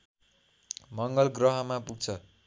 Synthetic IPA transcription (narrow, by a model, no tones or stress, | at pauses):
mʌŋɡʌlɡrʌɦʌmapuɡ̚t͡sʰʌ